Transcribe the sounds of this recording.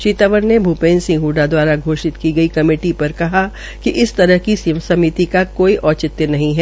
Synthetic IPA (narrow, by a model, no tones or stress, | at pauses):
ʃiːt̪aːʋəɾnebʱupẽːnsɪ̃ŋɡɦuːɖad̪waːɾaɡʱoːʃɪt̪kiɡɐikɐmeːʈipɐɾkɐɦa | kiʔɪst̪ɐɾəɦkisiʋəsɐmit̪ikakoːiʔɔːt͡ʃɪt̪jənɐɦĩɦɛː